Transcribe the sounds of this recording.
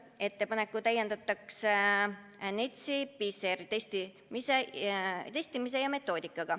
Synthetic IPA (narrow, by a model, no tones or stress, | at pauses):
e̞t̪ːe̞pɑne̞kːˑut̪æjːend̪̥ɑt̪ːˑɑkse | net̪ʲsipiseɾit̪esʲt̪i | miset̪e̞sʲt̪imis̬e̞jɑme̞t̪ːˑo̞ːd̪ikːˑɑɡ̥ɑ